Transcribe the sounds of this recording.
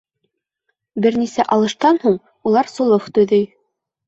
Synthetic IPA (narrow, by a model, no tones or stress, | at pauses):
bɘɾnisæʔɑlˠɤ̆ʃt̪ɑnhuɴ | ulˠɑɾsŏlˠoft̪ɵ̆jðɵj